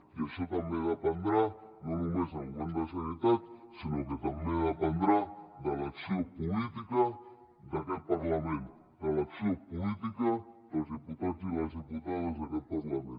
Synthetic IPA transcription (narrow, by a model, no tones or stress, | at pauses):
kesot̪ameɣapand̪ɾa | nonumes̬aŋɡond̪asanit̪at̪sinõket̪ammeɣapand̪ɾad̪alasiopolit̪ika | d̪akepaɾlamẽnt̪ | d̪alasiopolit̪ikat̪azeput̪at̪ilaseput̪aðozakepaɾlamẽn